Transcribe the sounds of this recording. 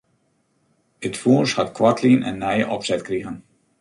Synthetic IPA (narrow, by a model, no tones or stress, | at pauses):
ətfuːshɑtkʋɑrtʰlinʔɛ̰nːɛjəʔɔpsɛtkriɣən